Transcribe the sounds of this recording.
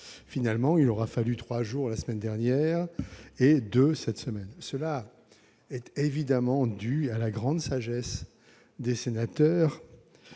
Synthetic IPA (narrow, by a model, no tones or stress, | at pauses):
finalmɑ̃ilɔʁafalyt̪χwaʒuʁlasəmɛnd̪ɛʁnjɛʁed̪øsɛt̪səmɛnsəla | ɛt̪evid̪amɑ̃d̪yalaɡʁɑ̃d̪saʒɛs | d̪esenat̪œːʁ